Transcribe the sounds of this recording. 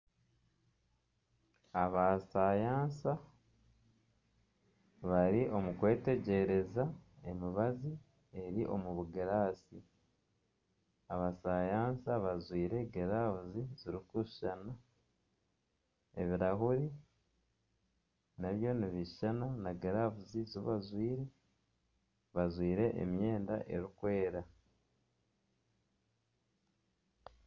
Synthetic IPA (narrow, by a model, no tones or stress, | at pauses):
aβasajaːnsa | βaɾiʔo̞mukwe̞ːte̞ɟe̞ɾe̞zae̞miβazi | e̞ɾiʔo̞̰muβuɡeɾaːsi | aβasajaːnsaβazwiːɾe̞ɡeɾaβuziziɾikuʃʃana | e̞̰βiɾaɦuɾi | naβjo̞niβiʃananaɡeɾavuziziβazwiːɾe̞ | βazwiːɾe̞ʔḛmje̞ːnda̰ʔe̞̰ɾikwe̞ːɾa